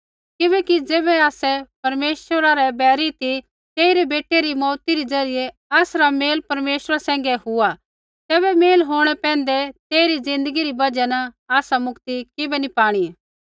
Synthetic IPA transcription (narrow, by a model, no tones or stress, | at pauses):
kɪbɛ̃ːkid͡zeːbɛaːsɛpɐɾmeːʃəɾaɾɛbɛːɾit̪i | t̪eːɪɾɛbeːʈːeɾimɔːt̪iɾid͡zɐɾɪjɛ | aːsɾameːlpɐɾmeːʃəɾasɛ̃ːŋɡɛhʊa | t̪ɛːbɛmeːlɦoːɽ̃ɛpɛ̃ːn̆d̪ɛt̪eːiɾid͡zɪ̃nd̪əɡiɾibɐd͡ʒɛnɐ | aːsamʊkt̪ikɪbɛnipaːɽ̃i